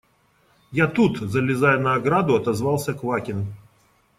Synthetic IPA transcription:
jat̪ut̪zəlʲɪzajənɐːɡɾad̪ʊɐt̪ɐzvalˠsʲəkvakʲɪn

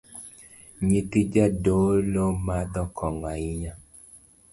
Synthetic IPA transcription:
ɲit̪id͡ʒadolomad̪ɔkʰɔŋaiɲa

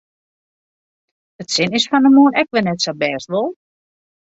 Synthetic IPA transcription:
ətsɪnɪsfɔndəmuənɛkʋɪlˠnɛtsobɛːstʋolˠ

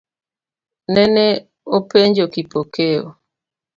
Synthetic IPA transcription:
nɛnɛ | opeɲd͡ʒokipokeo̰

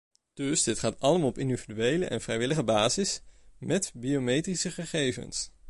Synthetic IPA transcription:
d̥ɵsdɪtχaːtɑləmaːlˠɔpɪndividyejlə̰ʔɛ̰nvrɛjʋɪləχəbaːzɪsmɛtbiowmejtrisəχəχejvə̰ns

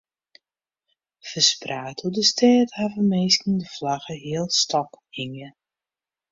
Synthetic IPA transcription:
fəspraːtʰudəstʰɛːtavəmeːskəndəflaɣəɦiəlˠstʰɔkhiŋə

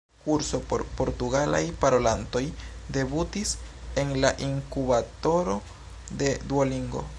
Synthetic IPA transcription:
kuɾsopoɾpo̞ɾtuɡala̰jpaɾolanto̞jde̞butise̞nlaʔiŋkubato̞ɾo̞ | de̞d̪uoliŋɡo̞̰

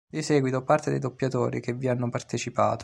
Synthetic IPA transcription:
d̪isɛːɡwit̪opart̪ed̪ḛjd̪opːjat̪oːɾḭkevːianːopart̪et͡ʃipa̰ːt̪o̥

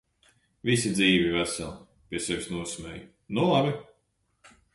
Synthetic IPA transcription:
visid̪ziːvivæsælˠ | pʲiɛsɛvisnuɔsmʲɛj | nulˠabi

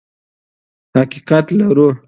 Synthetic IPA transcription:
haqiqat̪laɾu

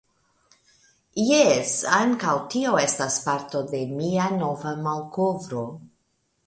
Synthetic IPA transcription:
jesaŋkawtio̞e̞staspaɾto̞de̞miano̞vamalkovɾo̞

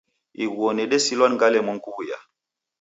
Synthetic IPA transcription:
iɡuɔnɛɗɛsilwanŋɡalɛmɔŋkuwuja̰

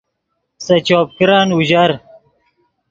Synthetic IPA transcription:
sɐt͡ɕoːp̚kɾaːnuʑaɾ

